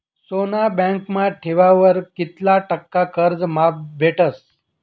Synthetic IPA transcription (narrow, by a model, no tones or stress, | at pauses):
sonabɛ̃ŋkmaʈʰeʋaʋəɾkit̪laʈəkːakʰəɾd͡zmap̚bʱeʈəs